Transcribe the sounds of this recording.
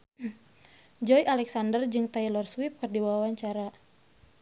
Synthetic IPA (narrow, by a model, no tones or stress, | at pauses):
d͡ʒɔjʔalɛksandərd͡ʒɨŋt̪ailɔrswip̚kərdiwawaɲt͡ʃaɾa